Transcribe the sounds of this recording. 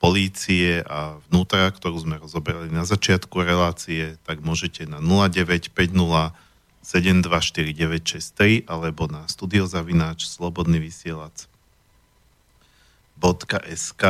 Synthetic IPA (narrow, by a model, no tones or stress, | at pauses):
pɔliːt͡siɛʔavnuːt̪ɾakt̪ɔɾuːzmɛɾɔzɔbɛɾalinazat͡ʃɪat̪kuɾɛlaːt͡siɛt̪aɡmʊɔʒɛcɛnanulaɟɛʋɛcpɛɟnula | sɛɟɛmd̪ʋaʃt̪iɾiɟɛʋɛcʃɛst̪ɾiʔalɛbɔnast̪uːd̪iɔzaʋinaːt͡ʃslɔbɔd̪niʋisɪɛlat͡s | bɔt̪kaʔɛska